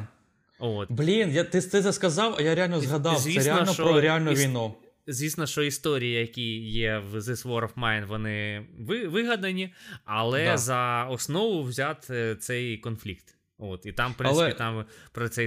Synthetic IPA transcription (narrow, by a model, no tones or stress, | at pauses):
ot̪blʲinjat̪ɪt̪ɪzɐskɐzɑwɐjaɾʲealʲnɔzɦɐd̪ɑwzʲʋʲisɾʲɪnɔnt͡ʃɔɾɔɾʲealʲnʊjʋʲijnu | zʲʋʲisnɔʃt͡ʃɔist̪ɔɾʲijɐjɐkʲijɛʋzɪsʋɔɾɔfmɛjnʋɔnɪʋɪʋɪɦɐd̪ɐnʲiɐlˠɛzɐɔsnɔʋʊwzʲat̪t̪sɛjkɔnflʲikt̪ | ot̪it̪ɑmppɾɪnlɪɛpit̪ɑmpɾɔt̪sɛj